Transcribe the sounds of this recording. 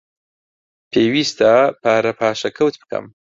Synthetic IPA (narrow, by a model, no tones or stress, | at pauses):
pʰeːwist̪apaːɾɐpʰaːʃɐkʰɐwt̪bɨ̥kʰɐ̰m